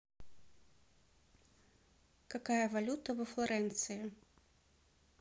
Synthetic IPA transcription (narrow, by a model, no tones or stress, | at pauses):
kakajɐvalʲut̪ɐvɐflˠaɾɛnt̪sɨji